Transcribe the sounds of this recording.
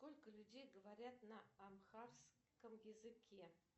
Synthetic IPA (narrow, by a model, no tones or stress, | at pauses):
skolʲkəlʲʉdʲejɡəvaɾʲat̪nəamxars | kəmjɪzɨkʲe